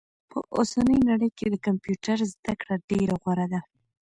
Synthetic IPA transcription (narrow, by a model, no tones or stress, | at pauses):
pʰəʔosanəjnaɽəjked̪əkampjuʈaɾzd̪akɽaɖeɾaɣwaɾad̪a